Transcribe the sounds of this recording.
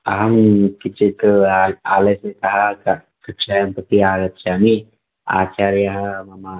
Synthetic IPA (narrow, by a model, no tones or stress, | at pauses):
aɦɐmkɪt͡ʃit̪ː | aːlesekɐɦa | kɐkʃajɐmpɐt̪iaːɡɐt̪ʃaːmi | a̰ːt͡ʃaːɾjɐɦmɐma